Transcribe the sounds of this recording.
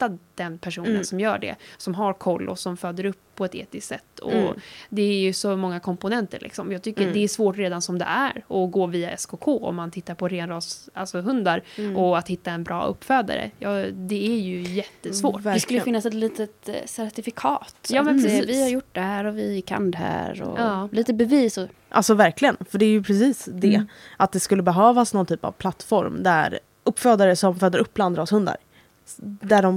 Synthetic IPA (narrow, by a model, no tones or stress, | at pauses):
t̪ːad̪̥ɛnpʰæʂuːnənsɔmjœːɖɛ̰sɔmɦaɾkʰɔlːʔɔ̰sɔmfœːd̪əɾɵpʰːɔɛt̪ḛːt̪ɪst̪sɛt̪ːɔ̰d̪ɛːjɵsɔmɔŋːakʰɔmpʊnɛnt̪əɾɭʔɪ̰ksɔmjɑːɡ̚t̪ʰʏkːəɖ̪ɛːʂvoːʈɾeːd̪ansɔmd̪ɛ̰ʔæɾɔɡoːviːaʔɛskʰokʰoːɔ̰mːant̪ʰɪt̪ːaɾpʰɔɾeːnɾɑːsalsɔɦɵnd̪aɾʔɔat̪hɪt̪ːaɛnbɾʔɑ̰ːɵ̰pːfœːd̪a̰ɾə̰jɑːd̪ɛæjɵjɛt̪ːəsvoːʈvæɾɛskɵlːəfɪnːasɛt̪liːt̪ət̪sæɾt̪ɪfɪkʰɑːt̪jɑːmɛnʰɛvɪhaɾjʊʈ̚ːd̪ɛhæːɾɔvɪkʰa̰nd̪ɛɦæ̰ːɾɔ̰liːt̪əbɛviːsɔ | ʔa̰lsɔvæɾklɪɡənfœɖɛæɾjɵpʰɾɛsiːsd̪ɛʔat̪̚d̪ɛskɵlːəbɛɦøːvasnɔnt̪ʰyːpa̰v̥pʰlat̪ːfɔ̰ɾmd̪æ̰ɾ | ɵpːfœːd̪aɾəsɔmføːd̪əɾʔɵpːbland̪ɾɔːshɵnd̪a̰ɾ | d̪æɖɔm